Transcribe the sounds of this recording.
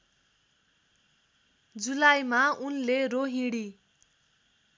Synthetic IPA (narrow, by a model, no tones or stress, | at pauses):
d͡zulajmaunleroɦĩɽi